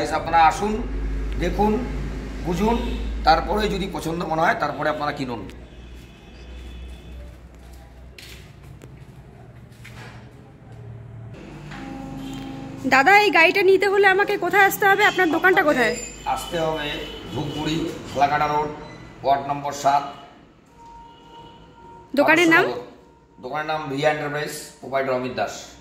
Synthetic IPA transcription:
isabnaɾaaʃund̪ekʰunkud͡ʑʱunt̪aɾpɔɾejd͡ʑod̪ipɔt͡ɕʰond̪omoneɦɔet̪aɾpɔɾeapnaɾakinun | d̪ad̪aejɡaiʈanit̪eɦoleamakekot̪ʰaeaʃt̪eɦɔbeapnaɾd̪okanʈakot̪ʰaeaʃt̪eɦɔbebʱuk̚buɽikʰalakaʈaloʈpaʈnɔmboɾʃat̪̚ | d̪okaneɾnam | d̪okaneɾnamɾieɳʈaɾpɾejspobajɖoɾɔmid̪ːaʃ

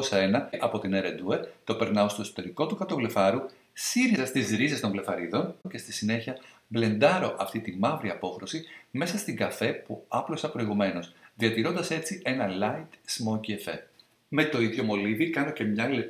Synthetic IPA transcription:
osɐe̞nɐʔɐpo̞t̪ineɾed̪ue̞ɾt̪o̞pe̞ɾnɐost̪oso̥t̪e̞ɾiko̞t̪ukɐt̪o̞vle̞fɐɾu | siɾizɐst̪izɾize̞st̪o̞ɱvle̞fɐɾiðo̞nce̞st̪isine̞çiɐ | ble̞nd̪ɐɾo̞ʔɐft̪it̪imɐvɾiɐpo̞xɾo̞sime̞sɐst̪iŋɡɐfe̞puɐplosɐpɾo̞iɣume̞no̞sðiɐt̪iɾo̞nd̪ɐse̞t͡siʔe̞nɐlɐit̪smociefḛ | me̞t̪o̞iðʝo̞mo̞livikɐnoce̞mɲɐle

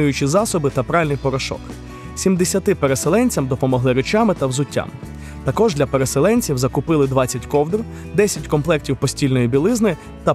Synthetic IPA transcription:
ujʊt͡ʃɪzɑsɔbɪt̪ɐpɾɑʋɪlʲnɪjpɔɾɐʃɔ̰k | sʲimd̪esʲɐt̪ɪpeɾe̞selˠɛnʲt͡sʲɐmd̪ɔpɔmɔɦlˠɪɾet͡ʃamɪt̪ɐwzʊtʲːa̰m | t̪ɐkɔʒdlʲɐpeɾeselˠɛnʲt͡sʲiwzɐkʊpɪlˠɪd̪ʋɑt͡sʲːɐtʲkɔwd̪r | d̪ɛsʲɐtʲkɔmplˠɛk̚tʲiwpɔsʲtʲilʲnɔjibʲilˠɪznɪ | t̪ɐ

